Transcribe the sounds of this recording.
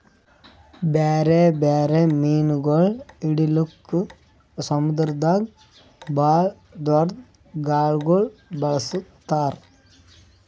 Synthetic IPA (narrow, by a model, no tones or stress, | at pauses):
beːɾebeːɾemiːnɡɐɭɪɽɪlɯkːɯ | sɐmʊd̪ɾd̪aːɡ | baːɭ | d̪ʋɐɾt̪ | ɡaːɭɡoɭbɐɭɐsɯt̪ːaːɾ